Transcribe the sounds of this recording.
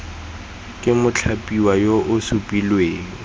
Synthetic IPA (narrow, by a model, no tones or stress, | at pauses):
kʼɪmʊt͡ɬʰapʼiwajoʔʊsupʼilweːŋ̩